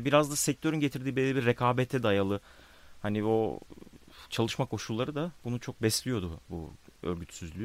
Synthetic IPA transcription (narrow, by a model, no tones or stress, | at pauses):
biɾazd̪asɛc̚t̪ʰø̞ɾynɟet̪ʰiɾd̪iːbelːʲibiɾːekʰaːbɛt̪ʰɛd̪ajalˠɯ | hanio̞ | t͡ʃʰalˠɯʃmakʰo̞ʃulˠːaɾɯd̪abunut͡ʃʰo̞k̚bɛslʲijo̞d̪ubṵøɾɟyt̪syzlʲy